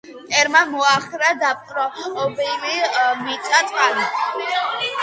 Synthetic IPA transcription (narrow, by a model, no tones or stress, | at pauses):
t̪ʼɛɾmamɔaχɾad̪ap̚qʼɾɔːbɛlimit̪sʼat̪ʼqʼan